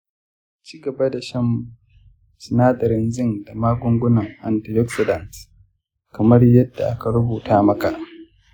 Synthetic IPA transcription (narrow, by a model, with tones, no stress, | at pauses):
t͡ʃiː˦ɡɐ˨ba˦da˨ʃɐ˦m | sɪ˨naː˦dɐ˨ɾɪ˦nzɪ˦˨nda˨maː˦ɡʷʊ˦ŋɡʷʊ˦nɐ˨ŋʔa˨ntɪ˨jɔ˦ksɪ˨dɐ˨ns | kɐ˨mɐ˦rjɐ˦dːa˨ʔa˦ka˨ɾʊ˦buː˨tʰaː˦mɐ˦ka˨ʔ